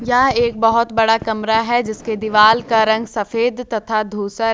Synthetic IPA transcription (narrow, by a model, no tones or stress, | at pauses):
jɐɦeːk̚bɐɦʊt̪bɐɽakɐmɾaɦɛd͡ʒɪsked̪iʋaːlkaɾɐ̃ŋɡsɐfeːd̪t̪ɐt̪ʰad̪ʱuːsə